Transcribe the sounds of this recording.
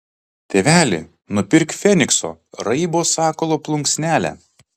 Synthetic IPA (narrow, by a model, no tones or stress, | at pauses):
t̪ʲeʋʲæːlʲɪ̰ | nʊpʲɪɾʲkfʲɛnʲɪkso̰ːɾɐɪboːsɑːkɔlˠoːplˠʊŋksʲnʲæːlʲæ̰